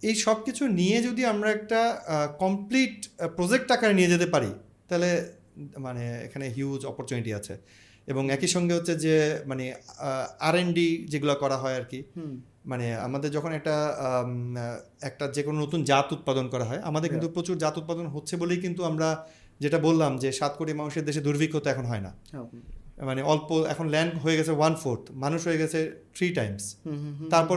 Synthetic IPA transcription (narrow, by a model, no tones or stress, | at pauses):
ejʃɔb̚kit͡ɕʰunied͡ʑod̪iamɾaɛk̚ʈakɔmpliʈpɾod͡ʑek̚ʈːakaɾnijed͡ʑet̪̬epaɾḭ | t̪aɦle | maneḛkʰaneɦjud͡ʑɔpoɾt͡ɕuniʈia̰t͡ɕʰḛ | eboŋɛkiʃɔŋɡeɦotːɕʰed͡ʑemane | aɾeɳɖid͡ʑeɡulakɔɾaɦɔeaɾki | manea̰mad̪eɾd͡ʑɔkʰonɛk̚ʈa | ɛk̚ʈad͡ʑekononot̪und͡ʑat̪ut̪̚pad̪onkɔɾaɦɔea̰mad̪eɾkint̪upɾot͡ɕuɾd͡ʑat̪ut̪̚pad̪onɦotːʰebolejkint̪uamɾa | d͡ʑeʈabolːamd͡ʑeʃat̪̚koʈimanuʃeɾd̪eʃed̪uɾbʱikɦot̪eɛkʰonoɦɔena̰ | maneɔlpoɛ̰kʰonlɛɳɖɦoeɡɛt͡ɕʰewanfoɾʈmanuʃɦoeɡɛt͡ɕʰet̪ʰɾiʈajmst̪aɾpɔɾ